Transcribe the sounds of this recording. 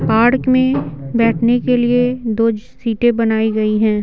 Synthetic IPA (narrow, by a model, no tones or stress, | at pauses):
paːɾkmẽbɛːʈʰnekelied̪oːd͡ʒ | siːʈẽbɐnaːiɡɐiɦɛ̃ː